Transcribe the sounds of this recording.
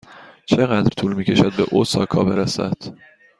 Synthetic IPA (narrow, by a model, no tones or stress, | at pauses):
t͡ʃʰe̞ɣæd̪ɾt̪ʰuːlmiːcʲʰe̞ʃæd̪̚beʔosɒ̰ːkʰɒːbe̞ɾæsæ̰d̪̥